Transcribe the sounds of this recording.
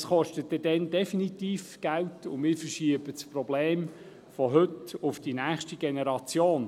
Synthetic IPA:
sχɔʃtətːədɛndɛfinit̪iːfɡ̥æltʊmɪːɾfəɾʃiəbət͡sprɔbleːm | fɔɦɵtʊfd̥inæːχʃtiɡ̥enɛɾɑt͡sjoːn

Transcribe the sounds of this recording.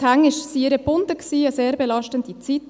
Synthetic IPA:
hæŋɪʃsiɪɾəb̥ʊndəksiːəseːɾbelɑʃtəndit͡sit

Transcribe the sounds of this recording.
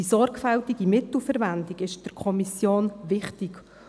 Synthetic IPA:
isɔɾkfɛltiɡimɪt̪l̩fəɾvændiɡɪʃd̥əɾkʰɔmisjoːnʋɪχtɪk

